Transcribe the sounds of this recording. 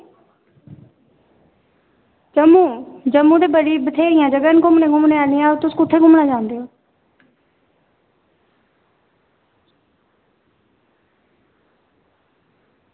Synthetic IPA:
d͡ʑɐmud͡ʑɐmud̪ebəɽibɪt̪ʰeːĩːãd͡ʑɐɡənkʊmnẽɡʊmneaːniaːɦot̪ʊskʊt̪ʰeɡʊmnad͡ʑaːnd̪ijoː

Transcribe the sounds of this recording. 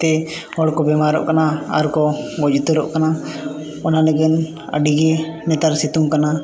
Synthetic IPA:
t̪ɛ | ɔɽkɔbɛmaɾɔ̰ʔkanaa̰ɾkɔɡɔd͡ʒt̪əɾɔ̰ʔkana | ɔnaləɡən | ə̰ɖiɡɛnɛt̪aɾsit̪umkana

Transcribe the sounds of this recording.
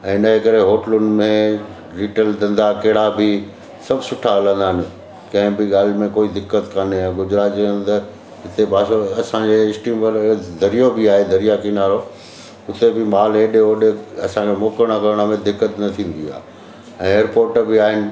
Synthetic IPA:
ɛ̃ːɪnəd͡ʑekəɾeɦoːʈəlʊn̆mẽ | ɾiːʈeld̪ɐ̃nd̪akɐɦɪɽabɪ | sɐbʱsʊʈʰaɐlə̃n̆d̪aːɦɪnɪ̆ | kɐ̃ɦɪ̃bɪɠaːlimẽkoːid̪ɪkːət̪kʰaneãɡʊd͡ʑɾaːd͡ʑeənɪ̆t̪ɐ | ɦɪt̪ebʱaːsoɐsãd͡ʑeɪsʈiməld̪ɐɾijobɪaːɦed̪ɐɾijakinaːɾo | ʊt̪ebɪmaːleːɗeoɗeɐsãd͡ʑemoːkɾəɽ̃ãkɐɾɽ̃əmẽd̪ɪkːət̪nɐt̪ʰĩːn̆d̪ia̰ː | ɛ̃ːeːɾpoːɾʈbɪaːɦɪnɪ̆

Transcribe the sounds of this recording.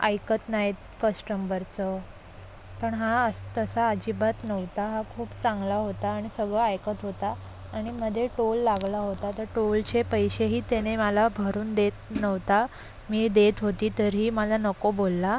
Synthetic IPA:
ajkət̪najt̪kəsʈəmbəɾt͡sə | pəɳɦaəst̪əsaːd͡ʑibat̪nəʋt̪aɦakʰuːpt͡sãŋɡlaɦot̪aːɽ̃isəɡɭəajkət̪ɦot̪aː | ɽ̃im̤əd̪ʱjeʈolːaɡlaɦot̪at̪əɾʈolt͡ɕepəjɕeɦiːt̪eneməlabʱəɾuːnd̪et̪nəʋt̪a | miːd̪et̪ɦot̪iːt̪əɾɦiːməlanəkobolːa

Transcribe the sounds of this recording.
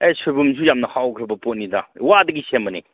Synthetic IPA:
ejsojbumzujamnɐhawkʰɾɐbɐpot̚nidawadɐɡisembɐnḭ

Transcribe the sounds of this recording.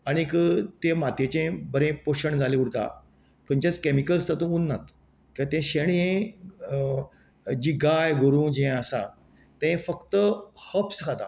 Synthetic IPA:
aɽ̃ikət̪emat̪et͡ɕẽbəɾẽpoɕəɳɡʱalẽuɽt̪a̰ | kʰəɲt͡ɕat͡skemikəlst̪at̪ũunːat̪ | kiat̪ẽɕeɽ̃ɦẽ | d͡ʑiɡajɡoɾũd͡ʑiɛ̃əsa̰ | t̪ẽfəkt̪əhəpsəkʰat̪a̰

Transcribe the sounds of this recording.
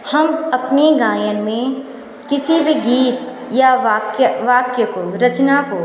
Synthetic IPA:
hɐmɐpniɡãːjənmẽ | kɪsibʱiɡiːt̪̚ | jaʋaːkjəʋaːkjəkoɾɐt͡ʃnako

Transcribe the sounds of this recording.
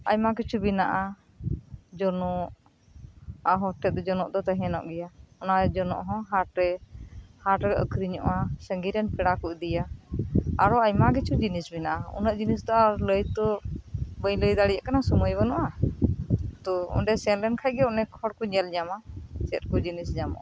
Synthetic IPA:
ajmakit͡ʃʰubinaʔa | d͡ʒɔnɔʔ | aɦɔ̃ʈɛt̪̚ɔd͡ʒɔnɔʔd̪ɔt̪aɦɛ̃nɔ̰ʔɡɛjaɔnad͡ʒɔnɔ̰ʔɦɔ̃ɦaʈɾɛhaʈɾɛʔəkʰɾiɲɔʔasəŋɡiɾɛnpʰɛɽakuʔd̪ija | aɾɔaɲmaɡɛt͡ʃud͡ʒinisbinaʔaṵnəʔd͡ʒinisd̪ɔʔaləjt̪ɔ | bəjləjd̪aɽijaʔkanasɔməjbənɔʔa | t̪ɔɔ̰ɖɛsɛnlɛnkʰajɡɛnɛkʰɔɽkɔɲɛlɲamasɛt̪̚kɔd͡ʒinisd͡ʒamɔ̰ʔa

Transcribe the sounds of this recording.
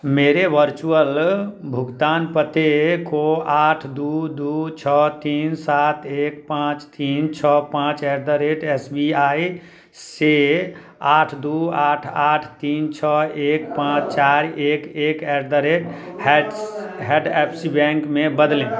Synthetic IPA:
meɾebəɾt͡ʃuəlbʱuɡt̪anpət̪ekoaʈʰd̪ud̪ut͡ʃʰɔt̪insat̪ek̚pãt͡ʃt̪int͡ʃʰɔpãt͡ʃɛɾd̪əɾeʈesbiaj | se | aʈʰd̪uaːʈʰaːʈʰt̪int͡ʃʰɔek̚pãt͡ʃt͡ʃaɾekekɛɾd̪əɾeʈ | ɦeɖɛpsibɛ̃ŋkmebəd̪lẽ

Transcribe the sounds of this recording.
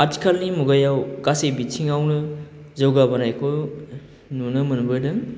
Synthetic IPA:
aɾti̥kʰalnimuɡajawkasebitʰiŋawnɯ | zawɡabanajkʰo | nunɯmɐnubɯdɯŋ

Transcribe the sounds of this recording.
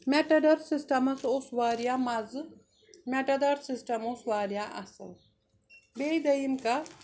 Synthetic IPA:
meʈɐɖɐɾsisʈɐmɐsosʋaːɾijamɐz | meʈɐdɐɾsisʈɐmosʋaːɾijaʔɐsɨ̰l | beːd̪ɐimka

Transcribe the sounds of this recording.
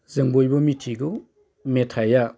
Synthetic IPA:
zɯŋbɔjbɔmitʰiɡɯw | metʰaja

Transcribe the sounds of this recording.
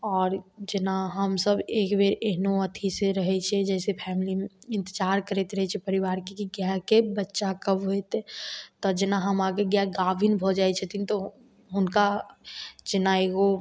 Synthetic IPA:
ɔːɾd͡ʒɪnaɦəmsəbeːkʋeɾeɦnoət̪ʰiseɾəɦɛt͡ʃʰɛd͡ʒɛːsepʰɛːmlimeɪ̃nt̪ə̥t͡ʃaːɾkəɾet̪ɾəɦɛt͡ʃʰɛpəɾɪʋaːɾkikiɡjaɦkebətːʃakəbɦoet̪et̪ɔd͡ʒɪnaɦəmaːɡeɡjaɦɡaːʋinbʱod͡ʒaːɛt͡ʃʰət̪int̪o | ɦʊnka | d͡ʒɪnaeɡo

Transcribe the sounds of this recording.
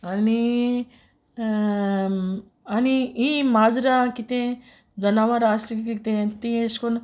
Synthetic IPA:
ɐni | ɐniimaːzɾakit̪ẽ | d͡ʒɐnaːʋaɾaːsikikit̪ẽt̪ieskon

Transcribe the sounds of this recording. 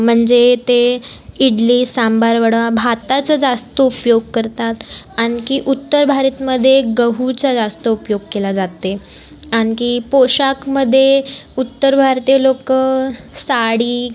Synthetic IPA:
m̤əɳd͡zet̪eiɽliːsambaɾʋəɽʋabʱat̪at͡sad͡zast̪əupjoɡ̚kəɾt̪at̪ | aɽ̃kiːʔut̪ːəɾbʱaɾit̪məd̪ʱːjeɡəɦut͡sad͡zast̪əupjoɡ̚kelad͡zat̪e | ankiːpoɕakməd̪ʱːjeut̪ːəɾbʱaɾt̪ielokəsaɽiː

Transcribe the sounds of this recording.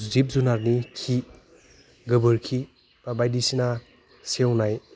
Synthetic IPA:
zip̚zunaɾnikʰi | ɡɯbɯɾkʰi | babajdisina | sewnaj

